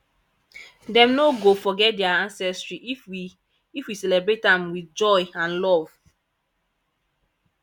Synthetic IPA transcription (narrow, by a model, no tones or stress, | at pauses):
dɛ̃mnoɡofɔɡɛt̚dɛaãnsɛstɹiʔifwi | ifwisɛlebɹetãmwidd͡ʒɔjãnlɔv̥